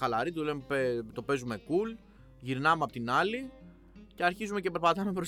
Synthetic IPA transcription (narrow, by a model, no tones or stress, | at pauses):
ɐlɐɾit̪ulemepet̪o̞pe̞zume̞kul | ʝiɾnɐmeɐpo̞t̪inɐli | ce̞ɐɾçizume̞ce̞pe̞ɾpɐt̪ɐmepɾos